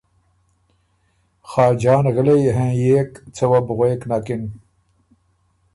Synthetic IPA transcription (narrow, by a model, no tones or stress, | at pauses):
xɑːd͡ʒɑːnɣəlejeɦẽːjeːkt͡sʰɐwabʊɣeːknakin